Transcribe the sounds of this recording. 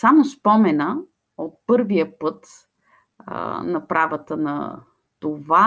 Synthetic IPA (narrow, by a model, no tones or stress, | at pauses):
samospɔmɛnə | ot̪̚pɤɾviəpɤt̪ | nɐpɾavət̪ənɐ̰ | t̪ova